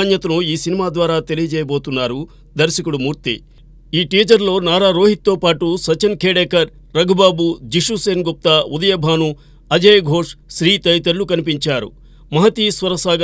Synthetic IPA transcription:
njɐt̪ɐnuiːsinimaːd̪ʋaːɾaːt̪e̞lijɐd͡ʒɛːjɐbo̞ːt̪unːaːɾu | d̪ɐɾʃɐkuɽumuːɾt̪ḭ | iːʈiːd͡ʒɐɾlo̞ːnaːɾaːɾo̞ːɦit̪̚t̪ːo̞ːpaːʈusɐt͡ʃɐnkʰeːɽeːkɐɾːɐɡʱɐbaːbud͡ʒiʂuseːnɡup̚t̪aːud̪ɐjɐbʱaːnu | ɐd͡ʒɐjɐɡʱo̞ːʂʃɾiːt̪ɐjt̪ɐɾlukɐnipiɲt͡ʃaːɾṵ | mɐɦɐt̪iːsʋɐɾɐsaːɡɐ

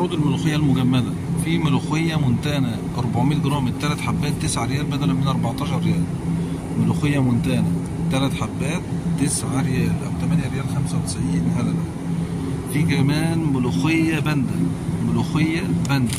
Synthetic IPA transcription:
uːd̪elmʊluxɪjːælmʊɡæmːæd̪æfimʊluxejːæmʊnt̪ænæ | ʔɑɾˤbaʕmiːt̪̚ɡɾˤɑːmɪt̪ːælæt̪ħabːæːt̪ːɪsʕaɾejæːlbæd̪ælæmɪnʔɑɾˤbɑʕt̪ˤɑːʃɑɾːejæːl | moluxejːæmʊnt̪ænæ | t̪ːælæt̪ħabːæːt̪ːesʕaɾejæːlʔæ̰wt̪æmænjæɾejæːlxæmsæwt̪ɪ̥sʕiːnhælælæ | fiːkæmæːnmʊluxejːæbænd̪æmoluxejːæbænd̪æ

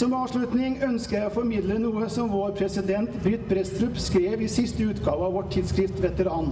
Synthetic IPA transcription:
sɔmɛɑːʋʂlʉt̪nɪŋœnskəɾjæɪofɔɾmɪd̪lənuːəsɔmʋoːɾpʰɾɛsɪd̪ɛnt̪bɾʏt̪bɾɛst̪ɾʉpskɾeːʋɪsɪst̪əʉːt̪ɡɑːʋəɑʋɔʈʰɪd̪skɾɪft̪ʋɛt̪əɾɑːn

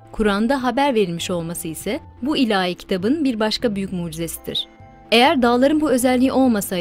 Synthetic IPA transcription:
kʰuɾand̪aɦabæɾve̞ɾilʲmiʃo̞lˠmasɯisɛ | builʲaːjicʰi̥t̪ʰabɯnbiɾbaʃkabyjycmuːd͡ʒize̞sid̪ḭɾ̝̥ | e̞jæɾd̪aːlˠaɾɯnbuø̞zɛlʲːiiʔo̞lˠmasa

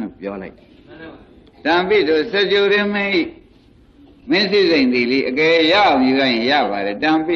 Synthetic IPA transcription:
lo̰pjɔlaɪt̪ | tãpḭd̪osɛt͡ɕoɾɪ̃m̥ɪ̃ʔi | mɪ̃sizẽɪ̃nd̪iliʔəkɛjaãʊ̃mjuɡa̰jɪ̃ja̰βaɾɛtãpi

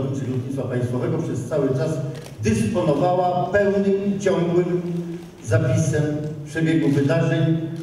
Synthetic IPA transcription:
vit͡ʂɘɾlɔd̪ɲit̪fapaj̃st̪fɔvɛɡɔpʂɛst̪sawɘt͡ʂas | d̪ɛspɔnɔvawapɛwnɘmt͡ɕɔ̃ŋɡwɘm | zapʲisɛmpʂɛbʲjeɡuvɘd̪aʐɛɲ

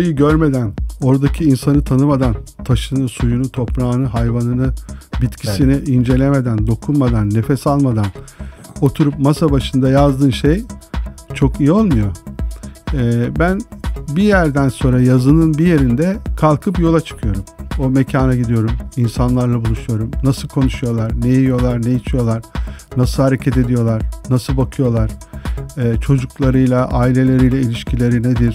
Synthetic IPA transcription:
jɯɟøɾme̞d̪æno̞ɾd̪acʰiːnsanɯt̪ʰanɯmad̪ant̪ʰaʃɯnɯsujunut̪ʰo̞pɾaːnɯɦajvanɯnɯbit̪cʰi̥siniʔind͡ʒe̞lʲe̞me̞d̪ænd̪o̞kʰunmad̪anːe̞fɛsalˠmad̪ano̞t̪ʰuɾupmasabaʃɯnd̪ajazd̪ɯːnʃej | t͡ʃʰo̞kijio̞lˠmujo̞ | ɛbænbijæɾd̪ænso̞nɾajazɯnɯnbije̞ɾind̪ɛkʰalˠkʰɯpjo̞lˠat͡ʃʰɯ̥kʰɯjo̞ɾumo̞mecʰaːnaɟid̪ijo̞ɾuminsanlˠaɾlˠabulˠuʃujo̞ɾumnasɯlˠkʰo̞nuʃujo̞lˠaɾnejijijo̞lˠaɾnejit͡ʃʰijo̞lˠaɾ̥nasɯlˠhaɾe̞cʰɛt̪e̞d̪ijo̞lˠaɾ̥nasɯlˠbakʰɯjo̞lˠaɾ̥ɛːt͡ʃʰo̞d͡ʒuklˠaɾɯjlˠaʔaːilʲe̞lʲe̞ɾijlʲˠailʲiʃcʰilʲe̞ɾined̪iɾ̥

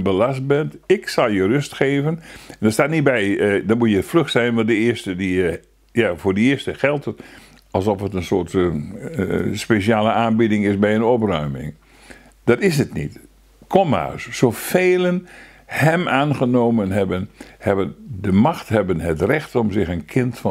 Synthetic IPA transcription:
nbəlast̚bɛntɪksɑlˠjərøstxeːvənɛndɔstaːtnit̚bɛjdɔmujəfløxtsɛjnʋɑ̃ntdəɪəstədi | jafoːdiɪəstəxɛlˠtə | ɑlˠsɔfətənsoːt | speʃiaːləaːnbidɪŋɪsbɛjənɔprœɥmɪ̰ŋ | d̥ɑtɪsətnḭt | kʰɔma̰ːssoːfeːlən | hɛmaːnɣənoːmənɦɛbənhɛbəndəmaxthɛbənɦətrɛxtɔmzɪxənkʰɪntf

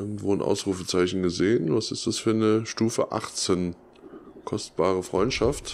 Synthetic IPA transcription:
ɡŋ̩tv̥oːnʔa̰ʊsʁuːfət͡saɪçn̩ɡəzeːənvasɪstd̥asfyːɐnəʃtuːfə̰ʔa̰χt͡sen | kʰɔstb̥aːʁ̞əfʁ̥ɔʏntʃaft

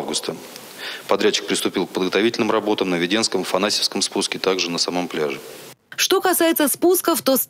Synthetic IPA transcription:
vɡʊst̪ə | pɐd̪ɾʲæt͡ɕːɪk̚pɾʲɪst̪ʊpʲilˠk̚pəd̪ɡət̪ɐvitʲɪlʲnɨmrɐbo̞t̪əmnəvʲɪdʲe̞nskəmfɐnasʲɪfskəmspuskʲɪt̪aɡʐɨnəsɐmo̞mplʲaʐɨ | ʂt̪o̞kɐsajɪt̪səspuskəft̪o̞s

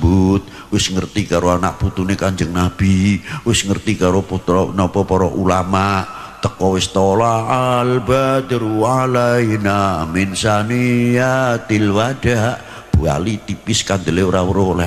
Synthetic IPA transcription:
but̪̚ | wɪsŋərt̪ikaɾoana̰ʔput̪unekaɲd͡ʒəŋnab̥iwɪsŋərt̪ikaɾoput̪ɾɔnɔpɔpɔɾɔʔulamaʔ | t̪əkɔwɪst̪ɔlaalbat̪iɾuwalainamɪnsanijat̪ɪlwaɖ̥aʔ | b̥ua̰lit̪ipɪskand̪əleoɾawəɾoɦlɛ

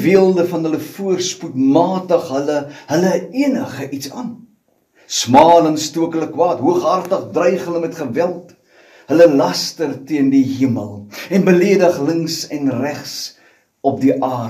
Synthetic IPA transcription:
viəlˠdəfɐnɦələfuərsputmɑːtəχɦələɦələiənəχəʔitsɑːn | smɑːlənstuəkələkwɑːtɦuəχɦɐrtəχdrəjχɦələmɛtχəvælˠt | ɦələlɐstərtiəndiɦiəməlˠɛnbəliədəχləŋsɛnræχs | ɔp̚diʔɑː

